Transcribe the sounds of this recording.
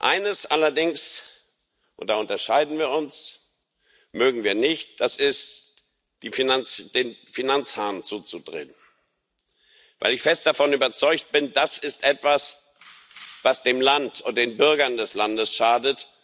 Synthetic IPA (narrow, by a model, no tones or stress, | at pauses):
ʔa̰ɪnəsʔalɐdɪŋs | ʔʊntd̥aːʊntɐʃaɪdn̩viːɐʊns | møːɡŋ̩viːɐnɪçtd̥asɪst | d̥iːfinant͡sd̥eːnfinant͡shaːnt͡suːt͡sudʁḛːn | va̰ɪlɪçfɛst̚d̥afɔnyːbɐt͡sɔʏkt̚b̥ɪndasɪstʔɛtv̥as | vasd̥eːmlantʰʊntd̥eːnbʏɐɡɐndɛslandəsʃaːdət